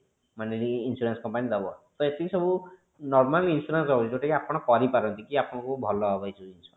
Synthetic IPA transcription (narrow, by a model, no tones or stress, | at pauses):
maneɾiːnsuɾanskɔmpanid̪ebɔt̪ɔet̪isɔbu | nɔɾmalinsuɾansɔbɔt͡ʃʰid͡ʒoʈekiapɔɽ̃ɔkɔɾipaɾɔnt̪ikiapɔɽ̃ɔ̃kubʱɔlɔɦɔbajt͡ʃʰuinsuɾa